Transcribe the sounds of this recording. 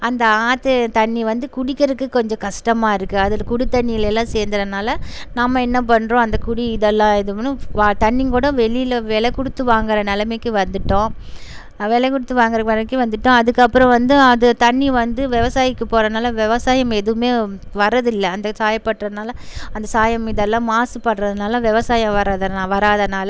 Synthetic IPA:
ɐnd̪ɐaːt̪ɯt̪ɐɳːiʋɐnd̪ɯkʊɽɪkːɐɾɯkːɯkːɔɲd͡ʒɔ̃kɐʂʈɐmaːɪɾɯkːɯɐðɪlkʊɽɪt̪ːɐɳːɪjɪlɛlːãːseːɾnd̪ɐɾɐnaːlɐnɐmːɐɛnːɐp̬ɐɳːɾõːɐnd̪ɐkʊɽiɪðɛlːãːɪðɯnːɯʋat̪ɐɳːiŋkuːɽɐʋɛɭɪjɪlʋɛɭɐkːɔɽɯt̪ːɯʋaːŋɡɪɾɐnɛlɐmɛkːɯʋɐnd̪ɯʈːõː | ʋɛɭɛkːɔɽɯt̪ːɯʋaːŋɡɐɾɐkʋɐɐɪkːɯʋɐnd̪ɯʈːõɐðɯkːɐpːɯɾɐ̃ʋɐnd̪ɯɐðɯt̪ɐɳːiʋɐnd̪ɯʋɛʋɐsaːjɪkːɯpoːɾɐnaːlɐʋɛʋɐsaːjɐmɛðɯɯmeːʋɐɾːɐðɪlːɐɐnd̪ɐsaːjɐpːɐʈːɾɐnaːlɐɐnd̪ɐsaːjɐmɪðɛlːãːmaːsɯpɐɳɾɐðɯnaːlɐʋɛʋɐsaːjɐ̃ʋɐɾaːðɐʋɐɾaːðɐnaːlɐ

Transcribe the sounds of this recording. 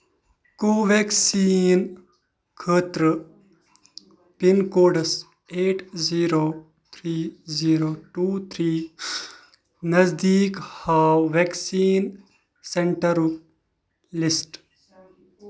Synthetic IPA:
koːʋeːksiːn | kʰəːt̪ɾə | pinkoːɖəs | eːʈziːɾoː | t̪ʰɾiːziːɾoːʈuːt̪ʰɾiː | nɐzd̪iːkhaːwʋeksiːn | seɳʈəɾuk̚ | lɪsʈ

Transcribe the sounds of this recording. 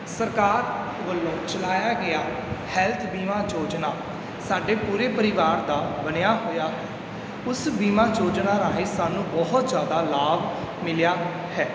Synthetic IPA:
səɾkaːɾ | ʋəlːõːt͡ʃəlaːjaːɡɪaːhɛːlt̪ʰbiːmãːd͡ʒoːd͡ʒnaː | saːɖeːpuːɾeːpəɾɪʋaːɾd̪aːbənɪjaːɦoːjaːɦɛː | ʊsbiːmãːd͡ʒoːd͡ʒnaːɾaːɦeːsaːnũːbɔɦʊt̪d͡ʒjaːd̪aːlaːb | mɪljaː | hɛː

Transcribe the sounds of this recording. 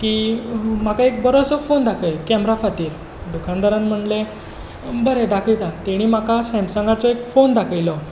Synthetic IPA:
kiːm̤akaek̚bəɾosɔfond̪akʰəjkɛmɾafat̪iːɾ | d̪ukʰand̪əɾãnm̤əɳle | bəɾed̪akʰəjt̪at̪eɽ̃iːm̤akasɛ̃msəŋɡat͡sɔekfond̪akʰəjlɔ

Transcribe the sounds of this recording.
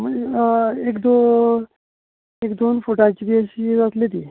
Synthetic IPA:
mə | ekd̪o | ekd̪onfuʈat͡ɕiɾiəɕid͡zat̪let̪iː

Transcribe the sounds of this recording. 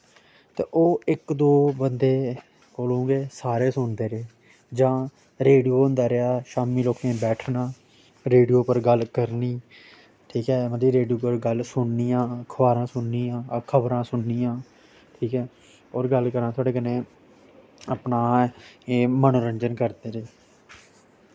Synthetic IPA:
t̪ḛːʔoːɪkd̪oːbənd̪eː | koːlõːɡeːsaːɾeːsʊnd̪eːɾeː | d͡ʒãː | ɾeːɖijoːnd̪aːɾɪaːʃaːmiːloːkẽːbɛːʈʰnaː | ɾeːɖijoːpəɾɡəlkəɾniː | ʈʰiːkɛːməiːɾeːɖijoːpəɾɡəlsʊɳniːjãːkʰəʋaːɾãːsʊnːiːãːkʰəbɾãːsʊɳnijãː | ʈʰiːkɛː | ɔːɾɡəlkəɾãːt̪ʰoaːɖeːkənẽː | əpnaːeːmənoːɾəɲd͡ʒənkəɾd̪eːɾeː

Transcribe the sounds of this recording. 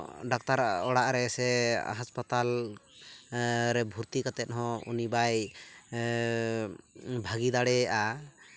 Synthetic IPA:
ɖɔk̚t̪aɾɔɽaʔɾɛsɛ̰ɦaspat̪al | ɾɛbʱuɾt̪ikat̪ɛt̪̚ˀɦɔ̃ṵnibaj | bʱaɡid̪aɽɛa

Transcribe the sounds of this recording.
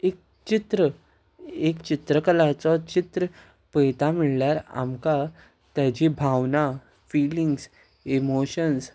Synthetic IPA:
ek̚ | t͡ɕit̪ɾə | ekt͡ɕit̪ɾəkəlat͡sɔt͡ɕit̪ɾə | pəjt̪amiɭljaɾa̰mka | t̪jat͡ɕibʱaʋna | fiːliŋɡs | emoɕəns

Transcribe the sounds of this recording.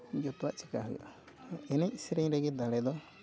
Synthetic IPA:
d͡ʒɔt̪waʔt͡ʃɛ̥kaɦɔj̰ʔa | ɛnɛc̚sɛɾɛɲɾɛɡɛd̪aɽɛd̪ɔ

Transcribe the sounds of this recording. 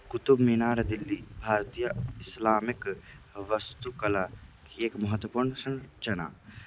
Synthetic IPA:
kʊt̪ʊbmiːnaːɾd̪ɪlːibʱaːɾt̪ijəɪslaːmɪkʋɐst̪ukɐlakieːkmɐɦət̪wəpuːɾnəsɐnt͡ʃɐna̰ː

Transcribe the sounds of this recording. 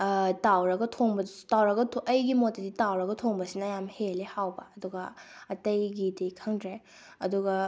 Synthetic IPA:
tawɾɐɡɐtʰoŋbɐtawɾɐɡɐtʰʔɐjɡimotːɐditawɾɐɡɐtʰoŋbɐsinɐjamhelehawbɐːduɡɐɐtɐjɡidijkʰɐŋdɾe | ɐduɡɐ

